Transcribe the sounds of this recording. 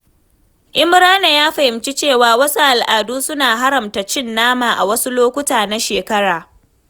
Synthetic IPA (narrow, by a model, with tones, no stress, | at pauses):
ʔɪ˦mɪ˦ɽaː˦na˨jaː˦ɸa˨hɪ˨mt͡ʃi˦t͡ʃeː˦˨waː˨wɐ˦su˦ʔa˨lʔaː˨duː˦sʊ˦naː˨ɦa˦ɾɐ˨mta˨t͡ʃɪ˦nːaː˦maː˨ʔa˨wɐ˦su˦loː˦kʷʊ˦taː˨na˦ʃeː˨kɐ˦ɽaː˨